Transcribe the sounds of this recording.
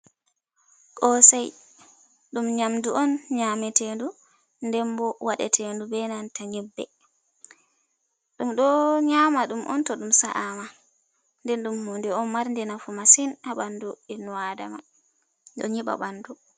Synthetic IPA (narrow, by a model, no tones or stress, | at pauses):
kɔsaj | ɗumɲamduʔɔnɲamɛtendu | ndɛmbɔwaɗɛ̰tʰendubɛnantaɲɛbːɛ̰ | ɗumɗɔɲamaɗumʔɔ̰ntɔɗumsaʔama | ndɛnɗumhundɛɔnmaɾndɛnafumasinaɓanduɗinwada̰ma̰ | ɗɔ̰ɲiɓa̰ɓandu